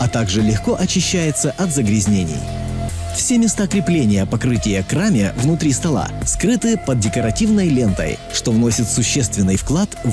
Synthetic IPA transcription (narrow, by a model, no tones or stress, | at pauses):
ɐt̪aɡʐɨlʲɪxko̞ʔɐt͡ɕːɪɕːæjɪt̪səʔɐt̪zəɡɾʲɪzʲnʲenʲɪ̰j | fsʲemʲɪst̪akɾʲɪplʲenʲɪjəpɐkɾɨtʲɪjəkɾamʲɪvnʊt̪ɾʲist̪ɐlˠa̰skɾɨt̪ɨpəd̪̚dʲɪkəɾɐtʲivnəjlʲe̞nt̪ə̰j | ʂt̪ovno̞sʲɪt̪sʊɕːe̞st̪vʲɪnːɨjfklˠat̪